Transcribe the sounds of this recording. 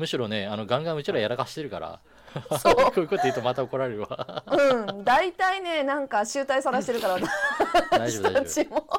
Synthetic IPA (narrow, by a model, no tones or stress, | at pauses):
mɯ̟ɕiɾo̞ne̞ano̞ɡãŋɡãɰ̃ɯ̟t͡ɕiɾoajaɾakaɕi̥t̪e̞ɾɯ̟ka̰ɾa̰ | sokʰoːji̟kot̪oeiɯt̪omat̪aoko̞ɾaɾeɾɯβa̰ɯ̟̃ɴd̪ait̪aine̞nãŋkaɕɨːt̪aisaɾaɕit̪eɾɯkaɾaβat̪ad̪aɕot͡ɕimo